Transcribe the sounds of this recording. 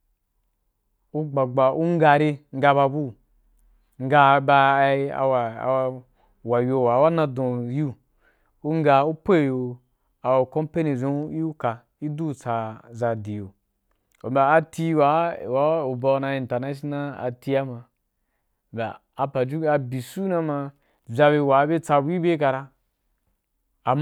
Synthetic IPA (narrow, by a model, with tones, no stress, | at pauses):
u˦ɡ͡ba˨ɡ͡ba˨ʔu˦ŋ˦ɡa˧ɾe˧ŋ̩˦ɡa˧ba˧bu˦ | ŋ̩˦ɡa˧ba˧˦a̰˨wa˨˦ | wa˨jʲo˧˨wa˨˦wa˦nã˧dõ˨ju˦ | u˦ŋ˦ɡa˧u˦pe˦˨jo˧˨ | a˨wo˨ko˦mpe˦ni˨zõ˦ka˨ | i˦du˦˨t͡sa˧za˧di˨jo˨ | o̰˨mba˨a˧ti˧˦wa˨˦˨wa˨˦u˨ba˧na˧ĩ˨n˨ta˨na˦ʃi˦na˦a̰˨ti˧a˦ma˧˨ | ba˨ | a˨pa˨d͡ʒu˦a˧bi˨su˦na˧ma˧ | za˧be˧˨wa˨˦be˦t͡sa˧bu˦i˦be˦ka˧ɾa˧ | a˨m